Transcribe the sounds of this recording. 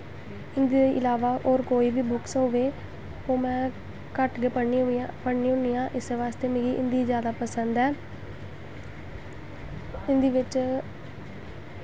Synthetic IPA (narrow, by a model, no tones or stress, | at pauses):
ɪnd̪eʔɪ̰laːʋaːʔoːɾkoːiːʋiːbʊksoːʋeː | oːmɛ̃ː | kəʈɡepəɽniːopəɽniːʊnijãːʔɪseʋaːst̪eːmẽːɡiːʔɪ̰nd̪iːzjaːd̪aːpəsənd̪ɛː | ɪnd̪iːʋɪt͡ʃ